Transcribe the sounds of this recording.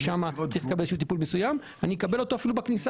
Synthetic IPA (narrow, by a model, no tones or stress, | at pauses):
ʃamat͡saʁilekabeleʃut̪ipulmesujam | anijekabe̞lo̞to̞afilubaknisa